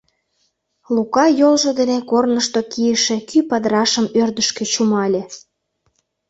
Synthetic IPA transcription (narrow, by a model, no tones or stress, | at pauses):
lukɑjolʒŏd̪enekornəʃt̪okijə̆ʃĕkypɑd̪ɾɑʃəmørd̪əʃkĕt͡ɕumɑlʲĕ